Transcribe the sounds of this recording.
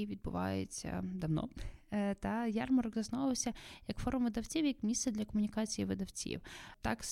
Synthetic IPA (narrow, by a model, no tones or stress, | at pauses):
iʋʲid̪̚bʊʋɑ̰jḛt͡sʲːɐ̰d̪ɐʋnɔ̰t̪ɐjɑrmɔɾɔɡzɐsnɔʋɪlˠsʲɐjɐkfɔɾʊmʋɪd̪ɐwt͡sʲiwjɐkmʲissɛd̪lʲɐkɔmʊnʲikɑt͡sʲijiʋɪd̪ɐwt͡sʲḭwt̪ɑ̰k